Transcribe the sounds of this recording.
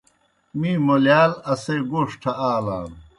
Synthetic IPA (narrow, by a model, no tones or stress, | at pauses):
miːmoljaːlɐseɡoːʂʈʰɐaːla̰ːn